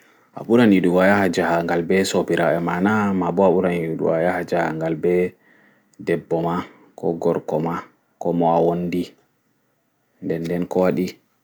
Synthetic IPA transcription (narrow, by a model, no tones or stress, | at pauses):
ʔa̰ɓuɾaniɗuwajahad͡ʒahaŋɡalbɛsopiɾaɛmanamabɔaɓuɾaniuɗṵwajahad͡ʒaha̰ŋɡalbɛ | dɛbːɔma | kʰɔɡɔɾkɔma | kɔmɔawondi | ndɛndɛnkɔwaɗi